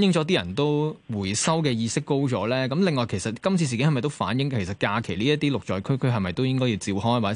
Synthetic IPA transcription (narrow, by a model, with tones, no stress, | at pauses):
njɪ˨ŋt͡ʃɔː˨˥t̪̬iː˥jɐ˨˩nt̪o˥wwuː˨˩jsɐ˥wkɛː˧jiː˧sɪ˥kːo˥wt͡ʃɔː˨˧˥lɛː˥kɐ˨˥mlɪ˨ŋːɔː˨˧jkʰe˨˩jsɐ˨˩t̚kɐ˥mt͡sʰi˧s̬iː˨kŋhɐ˨˩mɐ˨jt̪o˥wfa̰ː˨˥njɪ˨˥ŋkʰe˨˩js̬ɐ˨˩t̚kaː˧kʰe˨˩liː˥jɐ˥t̪ːiː˥lʊ˨k̚t͡ʃɔː˨˩jkʰɵ˥jkʰɦɐ˨jmɐ˨jt̪o˥wjɪ˥ŋkɔː˥ji˧wt͡siː˧wɦɔː˥jwaː˨˩